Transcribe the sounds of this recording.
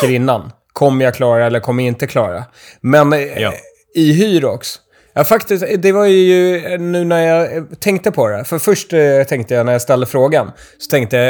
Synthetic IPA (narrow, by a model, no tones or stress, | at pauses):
əɾɪnːan | kʰɔmːəjakʰlɑːɾaɛlːəɾkʰɔmːəɾɪnt̪əkʰlɑːɾa̰ | mɛn | ɪɦyːɾɔks | jɑfakt̪ɪsd̪ɛvaɾjjɵnʉ̟ːnæɾjat̪ʰɛŋkt̪əpʰɔd̪ɛ̰fœɾfœʂʈt̪ʰɛŋkt̪əjanæɾjast̪ɛld̪əfɾoːɡan | sɔ̥t̪ʰɛŋkt̪əja